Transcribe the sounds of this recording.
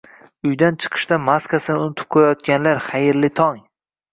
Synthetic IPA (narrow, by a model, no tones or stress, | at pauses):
ʊjd̪ant͡ʃʰɨ̥qʰɨ̥ʃt̪amaskasɪnɪʊnɪt̪ʰʊ̥p̚qʰojajɒt̪̚ɡʲanlaɾχɑjɪɾlɪt̪ʰɒŋ